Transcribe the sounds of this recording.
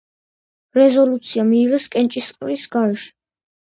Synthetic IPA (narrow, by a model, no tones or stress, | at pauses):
ɾɛzɔlut̪sʰiamiːʁɛskʼɛnt͡ʃʼisqʼɾisɡaɾɛʃɛ̥